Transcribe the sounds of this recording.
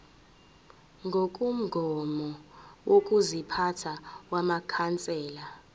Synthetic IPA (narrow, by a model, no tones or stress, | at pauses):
ŋɡʱok̬ʼum̩ɡʱɔmɔwok̬ʼuzipʰatʰawamakʰant͡sʼɛːla